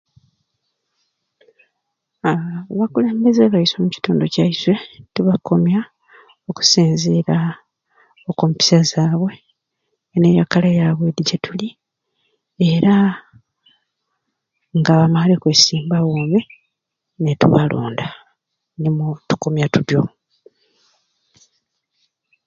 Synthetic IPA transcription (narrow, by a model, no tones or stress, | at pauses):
aβakule̞ːmbe̞zeβaiso̞muci̥tuːndo̞caiswe̞tuβakʰo̞mja | o̞ku̥siːnzeɾa | okompi̥sazaːβwe̞ː | nejakalajaβwe̞diɟetuli | e̞ɾa | ŋɡaβamalikwesiːmbawoːmi | netṵβalo̰ːnda | nimutu̥komjatuɾjo